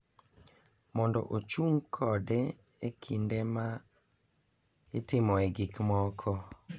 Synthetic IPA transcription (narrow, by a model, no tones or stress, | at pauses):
mɔndɔ̰ʔot͡ʃuŋkʰɔdɛ | ekʰindema | etɪmɔeɡikmɔkʰɔ